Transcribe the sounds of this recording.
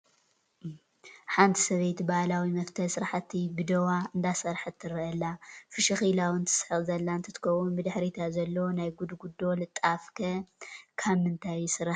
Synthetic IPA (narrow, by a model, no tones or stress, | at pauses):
ħant̪ʰi̥sɐβejt̪baʔlawimɐft̪ʰɐlsɨɾaħat̪ʰːibɨd̪ɐwaɨnd̪asɐɾħɨt̪ʰːɨɾɐʔɐlːafɨʃɐxilawɨnt̪ʰɨ̥sħɨzɐlːant̪ʰɐt̪ʰɨ̥kʰɐwunbɨd̪ɨħɾit̪ʰazɐlːɐwonajɡud̪uɡud̪o̞lɨt̪ʼafkʰɐkʰaβmɨnt̪ʰajsɨɾaħ